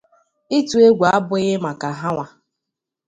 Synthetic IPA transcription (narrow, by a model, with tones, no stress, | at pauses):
i˦tu˨e˦ɡʷa˨a˦bʊ˦ɣɪ˦ma˨ka˨ɦa˦ŋʷa˨